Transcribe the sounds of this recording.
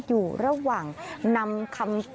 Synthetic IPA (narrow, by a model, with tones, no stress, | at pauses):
juː˨˩ɾa˧waː˨˩ŋna˧mkʰa˧mt